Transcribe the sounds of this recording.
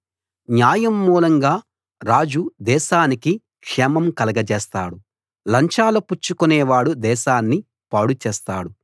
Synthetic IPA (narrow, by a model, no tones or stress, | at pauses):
njaːjɐmːuːlɐŋɡaː | ɾaːd͡ʒud̪ɛːʃaːniki | kʂɛmɐmkɐlɐɡɐd͡ʒɛːst̪a̰ːɽu | lɐɲt͡ʃaːlɐput͡ʃːukunɛːʋaːɽud̪ɛːʃaːnːi | paːɽut͡ʃɛːst̪aːɽu